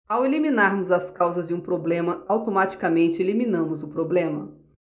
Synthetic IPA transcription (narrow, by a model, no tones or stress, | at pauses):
aweliminaɾnʊzɐskawzɐzd͡ʒɪũpɾoblẽmɐawt̪omat͡ʃi̥kamẽnt͡ʃɪelimĩnɐ̃mʊzʊpɾoblẽmɐ̰